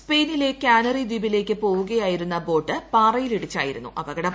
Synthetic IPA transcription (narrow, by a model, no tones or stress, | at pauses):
spe̞ːnile̞kʲːaːnɐriːd̪ibile̞ːkʲːɨpo̞ːʋuɣɐjaːjiɾunːɐbo̞ːʈːɨpaːrɐjiliɽit͡ɕːa̰ːjiɾunːṵʔɐbɐɡɐɽɐm